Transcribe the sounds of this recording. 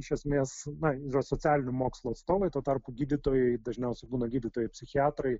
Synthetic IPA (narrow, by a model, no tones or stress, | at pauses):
ɪʃʲɛsʲmʲeːsnɐɪrɐsot͡s̪ʲæːlʲɪnʲʊmoːkslˠuɐt̪st̪oːʋɐɪt̪uːt̪ɐrpʊɡʲiːd̪ʲɪt̪oːjɛɪd̪ɐʒʲnʲɛʊsʲɛɪbuːnɐɡʲiːd̪ʲɪt̪oːjɛɪpʲsʲɪxʲɪɑːt̪ɾɐɪ